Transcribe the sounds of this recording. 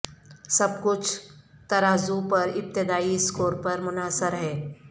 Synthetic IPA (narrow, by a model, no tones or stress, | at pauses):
sɐb̚kʊt͡ʃʰt̪ɐɾaːzupɐɾɪp̚t̪ɪd̪aːiskoːɾpɐɾmʊnaːsəɾɦɛː